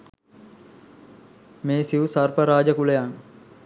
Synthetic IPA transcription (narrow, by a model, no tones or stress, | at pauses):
meːsiʋusarpəɾaːd͡ʒəkuləjaŋ